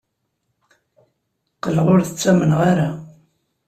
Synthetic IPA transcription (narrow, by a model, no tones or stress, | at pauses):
qəlːəʁʊɾθət͡sːæmənʁaɾa